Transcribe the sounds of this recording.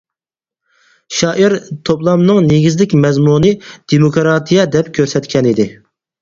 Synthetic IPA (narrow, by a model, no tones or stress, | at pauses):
ʃɑːʔiɾt̪ʰoplˠɑmnɨŋneɡʲizlɪkʲmɛzmunɨd̪̥emokɾɑt̪ʰijɛd̪ɛpkʲʰøɾsɛt̪kʲʰɛnid̪ɪ